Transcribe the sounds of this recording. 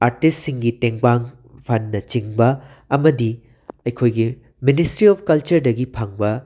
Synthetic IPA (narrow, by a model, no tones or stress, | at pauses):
aɾtistsiŋɡiteŋpaŋ | pʰɐnːɐt͡ʃiŋbɐ | ɐmɐdi | ɐjkʰojɡi | ministɾiɔpʰkɐlt͡ʃɐɾdɐɡipʰaŋbɐ